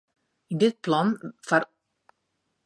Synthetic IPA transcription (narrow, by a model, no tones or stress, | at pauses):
dɪt̚plɔnfaɾ